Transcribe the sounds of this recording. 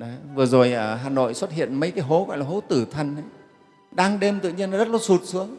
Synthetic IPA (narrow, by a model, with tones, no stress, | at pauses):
ɗɔ˨˦vɨ˨˩əzo˨˩jʔəː˧˩ɦaː˨˩no̰˧˨jswə˦˥t̚hḭ˧˨ənmə˨˦jkaː˨˦jɦo˨˦ɣɔ̰˧˨laː˨˩ɦo˨˦t̪ɨ˧˩t̪ʰwə˨˩nʔə˨˦j | ɗaː˧ŋɗe˧mt̪ɨ̰˧˨ɲi˧ən˨˩zə˦˥t̚lə˨˩su˨˩t̚sɨ˨˦əŋ